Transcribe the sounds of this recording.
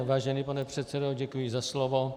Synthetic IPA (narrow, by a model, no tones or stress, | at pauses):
vaːʒɛnipanɛpr̝̥ɛt̪t͡sɛdoɟɛkujɪzaslovo